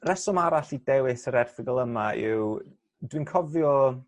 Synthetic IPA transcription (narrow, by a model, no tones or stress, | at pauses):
rɛsɔmaɾaɬidɛwɪsəɾɛrθɪɡəlˠəmaɪ̰w | dwinkʰɔvjɔ